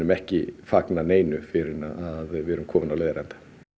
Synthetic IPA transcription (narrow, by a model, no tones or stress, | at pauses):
nʏmɛhcɪfaknaneːjnʏfɪɾɪnaaðvɛːɾʏmkʰɔːmɪnawleːjðaɾɛnt̪ḁ